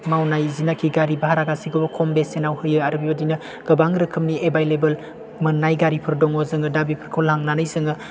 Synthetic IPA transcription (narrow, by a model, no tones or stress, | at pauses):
mawnajzinakʰiɡaɾibaɦaɾaɡasiɡɔbɐkʰombesenawhɯjɯaɾɯbibɐdinɐ | ɡ̥ɐbaŋɾɯkʰɯmniebajlebɐl | mɯnːajɡaɾipʰɯɾdɔŋɔzɯŋɯdabipʰɯɾkʰolhaŋnanɯjsɯŋɯ